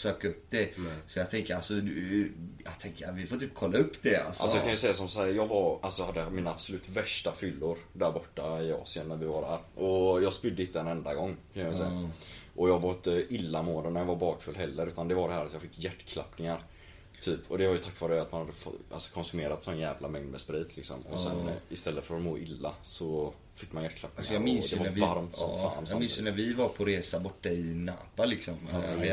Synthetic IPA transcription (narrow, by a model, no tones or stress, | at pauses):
søːkaɵpːd̪ɛsɔjɑɡt̪ʰɛŋkəɾalsɔd̪jɑ̰ɡt̪ʰɛŋkəvɪfoːt̪yːp̚kʰɔlːaɵpːd̪ɛa̰lsʔa̰lɔɔjkʰanʉsɛjːas̬ɔmsahæːɾjɑːɡvaɾʔalsɔjɑhad̪ːəmiːnaabsɔlʉ̟ːt̪væʂʈafʏlːʊɾd̪æɾbɔʈːaɪɑ̰ːsɪənːæɾvɪvaɖæːɾʔɔjɑːɡspʏd̪ːəɪt̪ːəɛnɛnd̪aɡɔŋːkʰanjavɛlsɛjaʔɔjɑːɡvaɾɪt̪ːəʔɪlːamoːd̪ənæɾjɑːvaɾbɑːkfœld̪ɦɛlːəɾʉ̟ːt̪and̪ɛvaɖɛhæːɾat̪jɑːfɪkːjæʈːkʰla̰pnɪŋaɾ | t̪ʰyːpʰːɔd̪ɛvaɾjʏt̪ʰakːvɑːɾəat̪manhad̪ːəfɔ̰ʔa̰lsɔ̥kʰɔnsɵmeːɾat̪sɔnːjɛːvlamɛŋd̪mɛspɾiːt̪ʰlɪksɔ̰mɔ̰sɛ̰nɪst̪ɛlːət̪fœɾɔt̪moːʔɪlːasɔ | fɪkːmanjæʈ̚ːkʰlap̚ːnŋsaɔjamɪnsjd̪ɛvaaɾmt̪ɔfa̰ːnsmɪnssjnæɾvɪvaɾpʰɔɾeːsabɔʈːaɪna̰ːpalɪksɔm